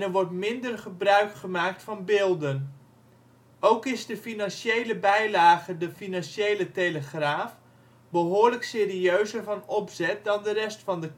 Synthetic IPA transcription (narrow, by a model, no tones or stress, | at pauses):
nɛɹʋɔɹtmɪndərχəbrœɥkχəmaːk̚tfɑnbɪːlˠdən | ʔowkɪzdəfinɑnʃejləbɛjlaːɣədəfinɑnʃejləteləχraːf | bəɦoːɹləkseːriøɥzərvɑnɔpzɛt̚dɑndərɛstfɑndə